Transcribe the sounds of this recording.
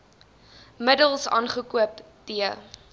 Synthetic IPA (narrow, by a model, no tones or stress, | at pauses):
mədəlˠsɑ̰ːnχəkuəp | d̥iə